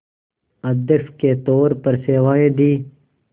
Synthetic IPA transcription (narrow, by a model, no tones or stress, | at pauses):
ɐd̪efket̪oːɾpɐɾseːwaːed̪iː